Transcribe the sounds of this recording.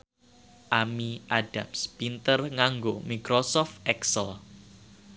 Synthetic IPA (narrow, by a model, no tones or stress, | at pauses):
ʔamiʔaɖ̥amspint̪ərŋaŋɡomikɾosɔft̪ɛksəl